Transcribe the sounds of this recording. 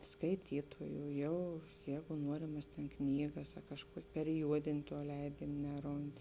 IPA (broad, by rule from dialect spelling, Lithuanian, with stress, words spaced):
skɐɪˈtʲiːtoːjuː ˈjɛʊ ˈjɛɪɡʊ ˈnuɔrʲɪmɐs tʲeːn ˈknʲiːɡɐs ɐ kɐʃˈkuɔkʲ pʲɛrʲɪˈjuɔdʲeːnʲ tuɔ ˈlʲɛɪdʲeːnʲ ˈnʲæːˌroːnt